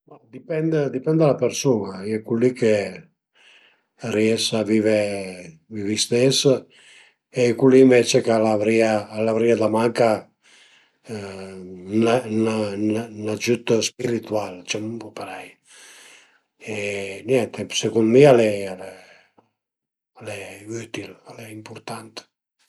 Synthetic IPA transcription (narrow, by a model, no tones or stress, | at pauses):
mad̪ipɛnd̪d̪ipɛnd̪alapeɾsunaɛkulːike | riɛsavive | vivist̪es | ekuliːɱvet͡ʃekalavɾiaːlavɾiad̪amaŋka | nanananad͡ʒyt̪spiɾit̪ualt͡ʃamumpɔpaɾɛj | enjɛnt̪esekunmialɛalɛ | alɛyt̪ilalɛimpuɾt̪ant̪